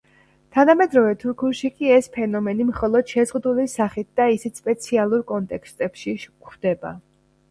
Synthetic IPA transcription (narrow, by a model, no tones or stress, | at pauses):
t̪ʰanamɛd̪ɾɔvɛt̪ʰuɾkʰulˠʃikʼiɛspʰɛnɔmɛnimχɔlˠɔd̪̥ʃɛzʁud̪ulisaχit̪̚d̪̥aisit̪spʼɛt̪sʰialˠuɾkʼɔnt̪ʼɛkst̪ʼɛpʃiʃkχd̪̥ɛba̰